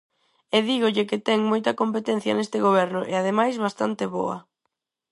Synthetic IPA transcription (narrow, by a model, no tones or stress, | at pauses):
eðiɣoʎɪkɪt̪ɛŋmojt̪ɐkompet̪ɛn̟θjɐ̰nest̪ɪɣoβ̞ɛɾnʊʔeaðemajzβast̪ant̪ɪβo̰ɐ̰